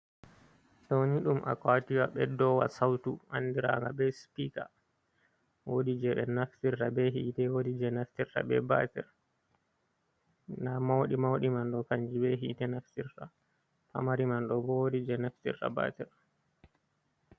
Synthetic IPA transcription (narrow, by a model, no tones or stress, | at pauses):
ɗɔniɗumʔa̰kwatiwaɓɛdɔwa̰sawtuʔandiɾa̰ŋɡabɛspika̰ | wodid͡ʒɛɓɛnaftiɾtabɛɦiːtɛwodid͡ʒɛnaftiɾta̰bɛ̰ba̰tɛ̰ɾ | namawɗimawɗimanɗɔkaɲd͡ʒibɛɦitɛnaftiɾta | pa̰maɾimanɗɔbɔwodid͡ʒɛnaftḭrta̰ba̰tɛɾ